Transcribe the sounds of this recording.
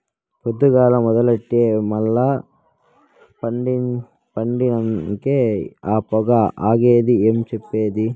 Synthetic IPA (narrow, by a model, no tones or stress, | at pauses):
pod̪ːuɡaːlɐmɔd̪ɐlɐʈːijemɐlːɐ | pɐɳɖi | pɐɳɖinɐŋkeaːpɔɡɐʔaːɡeːd̪iemt͡ʃɛpːeːd̪i